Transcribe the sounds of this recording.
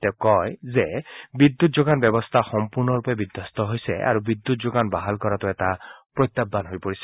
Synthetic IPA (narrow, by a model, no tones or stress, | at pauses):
tɛʊkɔjzebid̪ːutzoɡanbɛbɔst̪ʰaxɔmpuɹnɔɹupɛbid̪ʱjɔst̪ɔɦojsɛ̰ʔa̰ɹubid̪ːutzoɡanbaɦalkɔɹatʊɛtapɹojt̪ːabːanɦojpoɹisɛ̥